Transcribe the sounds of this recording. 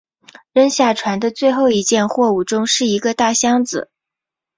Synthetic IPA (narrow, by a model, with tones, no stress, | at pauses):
ɻə˥nɕja˥˩ʈ͡ʂʰwa˧˥nd̪ə˧t͡swe˥˧ɪxo˥˩ʊi˧˥t͡ɕjɛ˥˧nxwɔ˥˧u˨˥˩ʈ͡ʂʊ˥ŋʂɻ̩˥˩i˧˥ɡə˧t̪a˥˩ɕjɑ˥ŋd͡zɹ̩̰˨˩˦